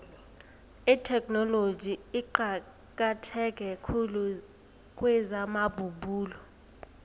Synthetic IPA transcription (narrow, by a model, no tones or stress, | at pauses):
itʰɛkʼnɔlod͡ʒʱiiǃa | k̬ʼatʰɛk̬ʼɛkʰulu | k̬ʼwɛzamabʱubuːlɔ